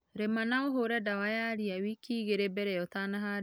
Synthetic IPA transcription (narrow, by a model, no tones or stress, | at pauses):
ɾemanaoɦoɾɛdawajaɾiawikʰiɣeɾebɛɾɛjɔt̪anaɦa